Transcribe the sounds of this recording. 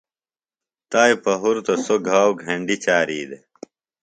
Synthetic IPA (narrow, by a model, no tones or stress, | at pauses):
t̪aːjpɐɦuɾt̪osoɡʱaːwɡʱɐɳɖit͡ɕaːɾiːd̪e